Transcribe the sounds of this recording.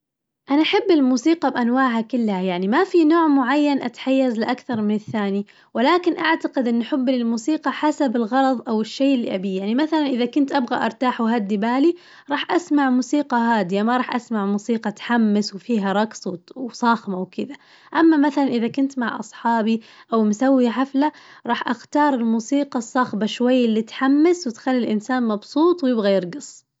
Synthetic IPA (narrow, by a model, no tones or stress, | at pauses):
ʔanaʔaħabːɪlmuːsiːqɑbʔanwaːʕɦakʊlːhajaʕnimafinoːʕmʊʕajːanʔat̪ħajːazlɪʔakθɑɾˤmɪnɪθːaːni | wɪlaːkɪnʔaʕt̪aqɪd̪ʔɪnːʔaħɪbːlɪlmuːsiːqɑħasabɪlɣɑɾˤɑðˤʔawɪʃːejːʔɪlːḭʔabijaʕnimaθalanʔɪðakʊnt̪ʔabɣaʔɑɾˤt̪aːħwɦad̪ːibaːli | ɾˤɑːħʔasmaʕmuːsiːqɑɦaːd̪ɪjamaɾˤɑːħʔasmaʕmuːsiːqɑt̪ħamːɪswfiːɦaɾˤɑkswwsˤɑxmawkɪd̪a | ʔamːamaθalanʔɪðakʊnt̪maʕʔɑ̰sˤħɑːbiʔawmʊsawːijaħaflaɾˤɑːħʔaxt̪ɑːɾˤɪlmuːsiːqɑsˤːɑxbaʃwajːɪlːiːt̪ħamːɪswɪt̪xalːɪlʔɪnsaːnmɑbsˤuːt̪ˤwjɪbɣajɪɾɡɨsˤ